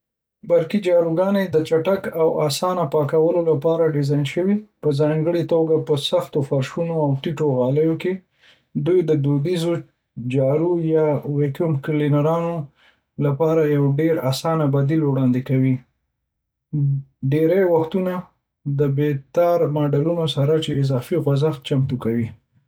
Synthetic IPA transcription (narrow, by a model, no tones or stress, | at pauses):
baɾkid͡ʒɑɾuɡɑned̪ət͡ʃaʈakawasɑnapɑkawəlolapɑɾaɖɪzɑjnʃəwipəzɑŋɡəɽit̪oɡapəsaxt̪ofaɾʃunoawʈiʈoɣɑləjoke | d̪ujd̪əd̪ud̪izo | d͡ʒɑɾujɑwekumklinaɾɑno | lapɑɾajawɖeɾasɑnabad̪ilwɽɑnd̪ekawi | ɖeɾajwaxt̪una | d̪əbet̪ɑɾmɑɖalunosaɾat͡ʃeɪzɑfiɣazaxt̪̚t͡ʃamt̪ukawi